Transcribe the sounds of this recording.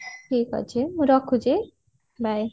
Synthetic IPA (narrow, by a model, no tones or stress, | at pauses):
ʈʰikɦʌ̰t͡sʰemuɾʌkʰːud͡ze | bʱaj